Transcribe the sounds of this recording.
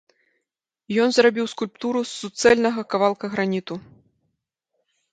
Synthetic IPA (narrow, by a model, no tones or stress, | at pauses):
jɔnzrabʲiwskulʲpt̪uɾusːut̪sɛlʲnɐɣɐkavalˠkɐɣɾanʲit̪u